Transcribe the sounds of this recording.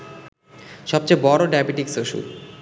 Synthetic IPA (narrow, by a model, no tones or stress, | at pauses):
ʃɔb̚t͡ɕejbɔɾoɖajbiʈiksoʃṵ